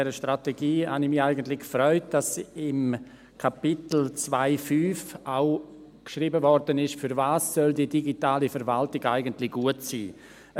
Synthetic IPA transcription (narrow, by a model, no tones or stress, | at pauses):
ɛɾəʃtɾateɡiːha̰nɪçmɪxaɪɡəntlɪkfɾɔʏt̚d̥asɪm | kʰapɪtl̩t͡svaɪfyːfʔaʊ | kʃriːbəvɔrdənɪʃfyɾvaːsːœldidiɡitaːlifɛɾvaltiɡa̰ɪɡəntlɪɡ̥uətsḭː